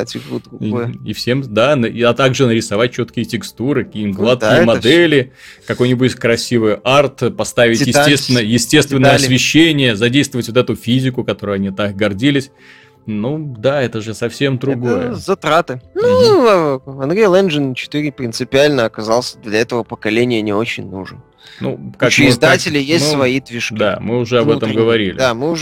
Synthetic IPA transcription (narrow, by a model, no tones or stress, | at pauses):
atʲɪɡud̪ɾɡojifsʲemd̪anit̪aɡʐɨnəɾʲɪsɐvat̚ʲt͡ɕːo̞t̪kʲɪjətʲɪkst̪uɾɨkɐkʲiːmɡlˠat̪̚kʲɪjəmɐd̪ɛlʲɪ | kɐko̞jnʲɪbuɪtʲkɾɐsʲivɨjʔart̪pɐst̪avʲɪtʲjɪstʲest̪vʲɪnəjəjɪsʲtʲe̞st̪vʲɪnːəjəɐsʲvʲɪɕːenʲɪjəzɐdʲejst̪vəvətʲvot̪ɛt̪ʊfʲizʲɪkʊkɐt̪o̞ɾʊjɐnʲit̪akɡɐrdʲilʲɪsʲ | nud̪aɛt̪əʐɨsɐfsʲe̞md̪ɾʊɡojjə̰zɐt̪ɾat̪ɨnu | ɐnd̪ɾʲejlˠɛnd͡ʒɨnt͡ɕɪ̥t̪ɨɾʲɪpɾʲɪnt̪sɨpʲɪalʲnəɐkɐzalˠsʲəd̪lʲɐɛt̪əvəpəkɐlʲenʲɪjənʲɪot͡ɕɪnʲnuʐən | nʔṵkakt͡ɕmzd̪atʲɪlʲɪjesʲmʲssvɐid̪vʲɪʂkd̪ʲa̰mɨʊʐɛɐbɛt̪əmɡəvɐɾʲilʲɪ̰amɨʊ